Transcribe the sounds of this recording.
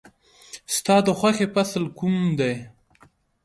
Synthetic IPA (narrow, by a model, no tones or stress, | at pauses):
st̪ɑd̪əxʷwaxepasəlkumd̪aj